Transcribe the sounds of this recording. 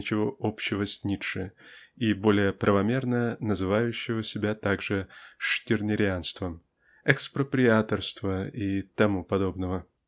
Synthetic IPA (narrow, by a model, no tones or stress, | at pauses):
t͡ɕɪvoʔopɕːɪvəsʲnʲit̪ʂɨibo̞lʲɪjəpɾʔəvɐmʲe̞rnənəzɨvajʉɕːɪvəsʲɪbʲat̪aɡʐɨʂtʲɪrnʲɪɾʲɪanst̪vəm | ɛkspɾəpɾʲɪat̪ərst̪vəit̪ɐmupɐd̪o̞bnəvə